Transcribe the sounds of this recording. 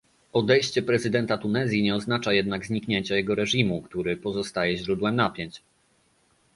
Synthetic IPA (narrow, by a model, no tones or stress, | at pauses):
ɔd̪ɛjɕt͡ɕɛpɾɛzɘd̪ɛnt̪at̪unɛzʲjiɲɛɔznat͡ʂajɛd̪̚naɡzɲikɲeɲt͡ɕajɛɡɔɾɛʐimukt̪uɾɘpɔzɔst̪ajɛʑɾud̪wɛmnapʲjɛɲt͡ɕ